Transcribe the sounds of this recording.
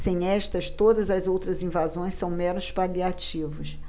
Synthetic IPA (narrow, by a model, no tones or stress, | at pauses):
sẽj̃ɛʃt̪ɐʃt̪od̪ɐzɐzowt̪ɾɐzĩvazõj̃ssɐ̃w̃mɛnʊspaliat͡ʃivʊʃ